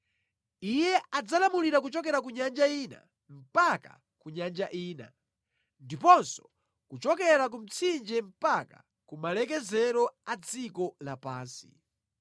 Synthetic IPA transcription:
ijɛʔad͡zalamuliɾakut͡ʃɔk̬ɛɾak̬uɲand͡ʒaina̰ | m̩paka̰ | kuɲand͡ʒaʔiːna̰ | ndipɔnsɔ̥ | kut͡ʃɔkɛɾak̬um̩t͡sʰind͡ʒɛm̩paka̰ | kumalɛk̬ɛzɛɾɔad͡zikɔlapaːnsi̥̰

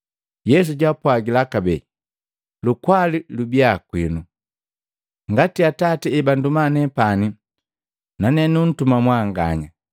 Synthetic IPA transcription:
jɛs̬uɟapwaɡilakabɛ̰ | lukwalilubiakwinu | ŋɡatiatatiɛbandumanɛpani | nanɛnun̩tumamwaŋɡa̰ɲa

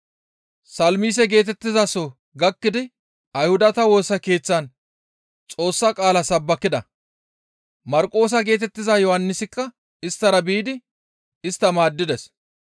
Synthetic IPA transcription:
sɐlmiːs̬ɛɡe̞ːt̪ɛt̪ːɪzɐsɔ | ɡɐkːɪd̪ɪ | ɐjhʊd̪ɐt̪ɐwo̞ːsɐke̞ːt͡sːɐn | t͡sʼo̞ːsːɐkʼaːlɐsɐbːɐkːɪd̪ɐ | mɐɾkʼo̞ːs̬ɐɡe̞ːt̪ɛt̪ːɪzɐjɔhɐnːɪsɪkːɐ | ɪst̪ːɐɾɐbiːd̪ɪ | ɪst̪ːɐmaːd̪ːɪd̪ɛs

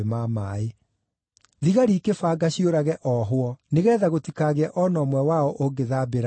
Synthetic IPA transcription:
mamaːe | ðiɣaɾikefaːɡaɕioɾaɣɛʔɔɦwɔneɣɛːðaɣotikaɣeɛʔɔnɔːmwɛwaɔʔoɡeðaːbeɾ

